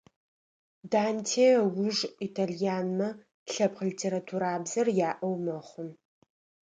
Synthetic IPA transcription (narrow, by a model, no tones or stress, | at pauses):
daːntʰeːwʊʐitʰaɮijaːnmɐ | ɬɐpqlitʰeːɾatʰuɾaːbzɐrjaːʔɐwmɐχʷʊn